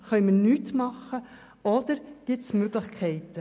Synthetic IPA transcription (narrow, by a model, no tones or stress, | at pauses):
χœʏmənyːtmɑχːə | ɔd̪̥əɾɡ̥ɪtsmøɡ̥lɪχkʰɛɪtə